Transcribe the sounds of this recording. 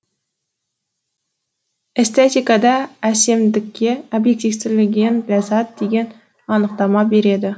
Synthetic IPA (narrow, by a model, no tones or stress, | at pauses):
est̪et̪ʲikad̪ɑːse̞md̪ɪkʲːe̞obje̞k̚t̪ifsɪlɪɡʲe̞nlazat̪̚d̪e̞ɡʲe̞n | ɑnəq̚t̪ɑmɑbe̞ɾe̞d̪ɪ